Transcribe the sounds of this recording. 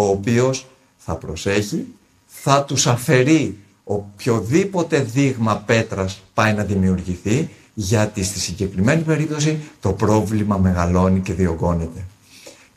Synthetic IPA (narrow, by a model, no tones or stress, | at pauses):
oːpio̞s | θɐpɾo̞se̞çi | θɐt̪usɐfe̞ɾi | o̞pço̞ðipo̞t̪e̞ðiɣmɐpe̞t̪ɾɐspɐjnɐðimiuɾʝiθi | ʝɐt̪ist̪isiɲɟe̞kɾime̞nipe̞ɾip̚t̪o̞sit̪o̞pɾo̞vlimɐme̞ɣɐlo̞nice̞ðio̞ɡo̞ne̞t̪e̞